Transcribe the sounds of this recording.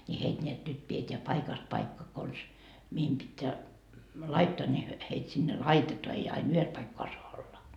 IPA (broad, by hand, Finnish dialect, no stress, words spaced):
nʲi heit nʲeæt nyt pieteæ pɑikɑst pɑikːɑ kons mihim pitːeæ lɑitːoɑ nʲi hyø heit sinːe lɑitetoɑ ei ɑin yhes pɑikːoɑ soɑ olːɑ